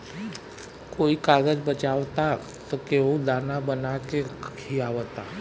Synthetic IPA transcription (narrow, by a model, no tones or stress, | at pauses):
koikaɡəd͡ʒbət͡ʃaʋt̪a | t̪ɔkeũd̪anabənakehiaʋət̪a